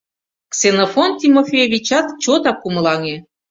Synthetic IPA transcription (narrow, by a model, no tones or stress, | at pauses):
ksenofont̪ʲimofʲejoβʲit͡ɕɑt̪t͡ɕot̪ɑkumlɑŋe